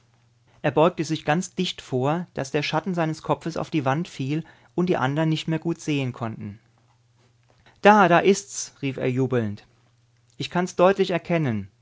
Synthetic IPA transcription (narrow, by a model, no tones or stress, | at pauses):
ʔeːɐbɔʏk̚təzɪçɡ̥ant͡sd̥ɪçtfoːɐd̥asd̥eːɐʃatn̩zaɪnəskʰɔp͡fəsa̰ʊfd̥iːvantfiːl | ʔʊntd̥iːʔa̰ndɐʁɐənːɪçtmeːɐɡuːtz̥eːənkʰɔntn̩ | d̥aːdaːʔɪstsʁiːfḛːɐjuːbl̩nt | ʔɪçkʰansd̥ɔʏtʰlɪçɛɐkʰɛnən